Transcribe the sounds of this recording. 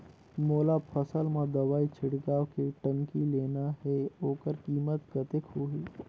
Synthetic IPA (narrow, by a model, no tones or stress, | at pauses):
moːlapʰəsəlmãd̪ɐʋaːit͡ʃʰɪɽɡaːwkiʈə̃ŋkileːnaɦɛoːkəɾkiːmət̪̚kət̪ɪkɦoːɦiː